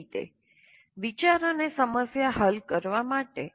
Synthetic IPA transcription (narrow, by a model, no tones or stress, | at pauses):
t̪ḛ | ʋit͡ʃaɾonesəməsjaɦəlkəɾʋamaʈe